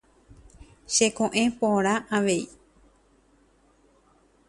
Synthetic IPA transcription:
ʃekõʔẽ̞põɾ̃ãʔaʋe̞i

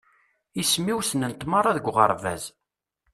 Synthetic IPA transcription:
ismiwsənənt̪maɾˤɑðəɡʷʁə̰ɾˤvæ̰z

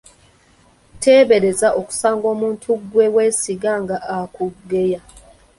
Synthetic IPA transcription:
te̞ːβe̞ɾe̞zaʔo̞ku̥saːŋɡo̞ːmuːntʰuɡwe̞weːsiɡaŋɡaʔakuɡːe̞ja

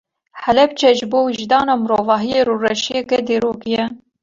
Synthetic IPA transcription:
ħɛlɛb̚t͡ʃʰɛʒboːwiʒd̪ɑːnɑːmɨɾoːvɑːɦijeːɾurɛʃijekɛd̪eːɾoːkijɛ

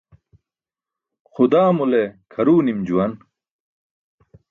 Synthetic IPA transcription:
xud̪aːmulekʰɐɾuːnimd͡ʑuwɐn

